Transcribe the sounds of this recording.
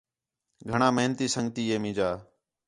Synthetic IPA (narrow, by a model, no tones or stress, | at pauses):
ɡʱəɳãːməɦnt̪iːsəŋɡt̪iːeːmĩːd͡ʒaː